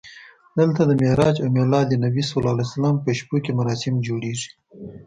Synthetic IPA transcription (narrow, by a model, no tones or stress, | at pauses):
d̪əlt̪ad̪əmeɾɑd͡ʒamelɑd̪ənabisolɑlasalɑmpəʃpokemaɾɑsɪmd͡ʒoɽeʐi̥